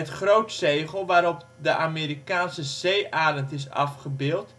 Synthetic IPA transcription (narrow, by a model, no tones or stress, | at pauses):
ətχroːtsejɣəl̩ˠʋaːɾɔp | dəʔamiːɾikaːnsəz̥eːʔaːləntɪsa̰fχəbɪːlˠt